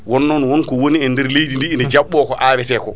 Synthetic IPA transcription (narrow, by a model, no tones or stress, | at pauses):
wɔnːɔnwɔnkɔwoniɛndɛɾlejdindiːndɛd͡ʒaɓːɔːkɔʔawɛtɛːkɔ